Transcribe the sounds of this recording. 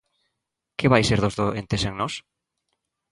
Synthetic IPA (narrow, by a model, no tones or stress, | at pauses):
keβajseɾðozðoent̪eseŋnɔs